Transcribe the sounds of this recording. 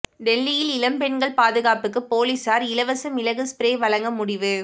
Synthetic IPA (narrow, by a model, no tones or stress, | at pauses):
ɖ̪ɛlːɪjɪlɪlɐmpɛɳɡɐɭpaːðɯɣaːpɯk̬ːɯpoːlisaːɾɪlɐʋɐsɐmɪlɐɣɯspɪɾeːʋɐɭɐŋɡɐmʊɽɪʋɯ